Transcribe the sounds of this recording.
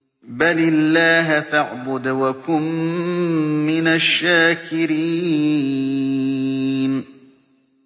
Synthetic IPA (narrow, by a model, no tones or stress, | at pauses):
balɪlːaːɦafaʕbʊd̪wakʊm | ɪnaʃːaːkɪɾiː | n